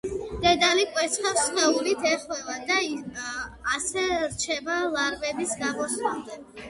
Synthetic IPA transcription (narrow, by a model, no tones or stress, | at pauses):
d̪̥ɛd̪alikʼwɛt̪sʰχɛpsχɛulit̪ʰɛχwɛvad̪aː | sɛɾt͡ʃʰɛbalˠaɾvɛbisɡamɔsɛlˠd̪ɛ